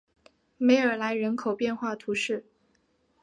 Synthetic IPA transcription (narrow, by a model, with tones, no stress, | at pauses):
me˧˥ɪə˞˨˩la˧˥ɪɻə˧˥nkʰo˨˩ʊpjɛ˥˧nxwa˥˩t̪ʰu˧˥ʂɻ̩˥˩